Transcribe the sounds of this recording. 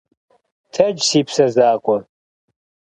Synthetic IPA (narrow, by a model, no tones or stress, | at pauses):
tʰɐd͡ʒsiːpʰsɐzaːkʷʼɔ